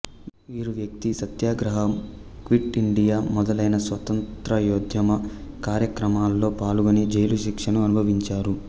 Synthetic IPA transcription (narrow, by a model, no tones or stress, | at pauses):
ʋiːɾuʋjɐk̚t̪isɐt̪jaːɡɾɐɦɐm | kʋiʈiɳɖijaːmɔd̪ɐlɐjnɐsʋɐt̪ɐntt̪ɾɐjoːd̪ʱjɐmɐkaːɾjɐkɾɐmaːlːo̞ːpaːluɡonid͡ʒɐjluʃikʂɐnuɐnubʱɐʋiɲt͡ʃaːɾu